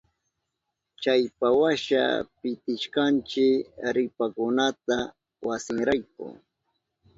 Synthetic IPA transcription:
t͡ʃajpawaʃa̰pɪt̪ɪʃkant͡ʃɪɾɪpakʊnat̪a | wasɪŋɾajk̚ʊ̰

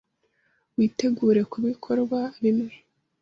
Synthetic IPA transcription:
wiːte̞ɡuːɾe̞kuβikʰo̞ɾɡwaβimŋe

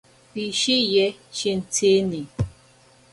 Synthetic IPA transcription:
piʃijet͡ʃin̩tʰeni

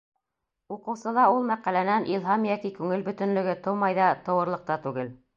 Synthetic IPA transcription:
uqɤ̆wsɤ̆lˠɑulˠmæqælænænʔilˠɦɑmijæk̪ikʉŋɘlbɵ̆t̪ɵ̆nlɵ̆ɡɘt̪ɤwmɑjðɑt̪ɤ̆wɤ̆ɾlˠɤ̆q̚t̪ɑt̪ʉɡɘl

